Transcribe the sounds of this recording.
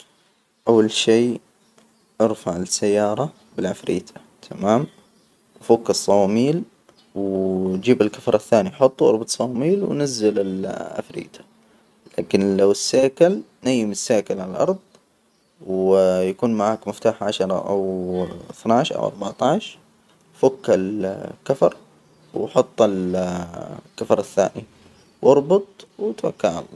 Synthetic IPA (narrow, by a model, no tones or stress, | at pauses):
ʔawːalʃiː | ʔɑɾfaʕɪsːajːɑːɾˤɑ | bɪlʕafɾḭːt̪ʰa | t̪ʰamaːm | wʔafukːɑsˤːɑwmiːl | wd͡ʒiːbalkafɾˤɑθːaːniħʊt̪ˤːwʔɑɾˤbɑt̪ˤsˤɑmiːlwnazːɪlɪlʕa̰fɾḭːt̪ḁ | laːkɪnlawɪsːaːkal | najːɪmɪsːaːkalʕallʔɑ̰ɾˤd̪ˤ | wjakuːnmaʕaːkmɪft̪aːħʕaʃɑɾˤɑ̰ʔa̰wɪθnaʕʃʔa̰wʔɑ̰ɾˤbɑʕt̪ɑʕʃɾ | fakːalkafɑɾˤ | wħʊt̪ˤːɪl | kafɑɾˤaθːa̰ːʔi | wʔɑɾˤbɑt̪ˤwɪt̪wakːaʕʕa̰lːɑ̰